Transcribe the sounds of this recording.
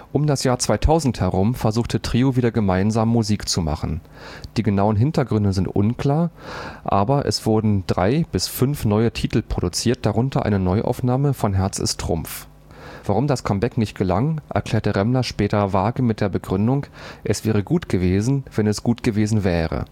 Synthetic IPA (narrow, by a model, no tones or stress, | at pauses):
ʔʊmdasjaːɐt͡sv̥aɪtʰaʊzn̩thɛʁʊmfɛɐzuːxtətʁ̥iːoviːdɐɡəmaɪnzaːmːuziːkt͡suma̰χn̩ | d̥iːɡənaʊənɦɪntɐɡʁʏndəzɪntʔʊ̰nkl̥aːɐʔa̰ːbɐʔɛ̰sv̥ʊɐdn̩dʁaɪb̥ɪsfʏnfnɔʏətʰiːtl̩pʁ̥odut͡siːɐt̚d̥aʁʊntʰɐʔa̰ɪnənɔʏʔa̰ʊfnaːməfɔnɦɛɐt͡sɪ̰stʁ̥ʊ̰mf | v̥aʁʊmdaskʰɔmbɛknɪçtɡ̥əla̰ŋʔɛ̰ɐkl̥ɛːɐtəʁɛmlɐʃpɛːtɐvaːɡəmɪt̚d̥eːɐbəɡʁʏndʊŋʔɛsv̥ɛːʁ̞əɡuːtɡ̥əveːzn̩v̥ɛnɛsɡ̥uːtɡ̥əveːzn̩vɛːʁə̰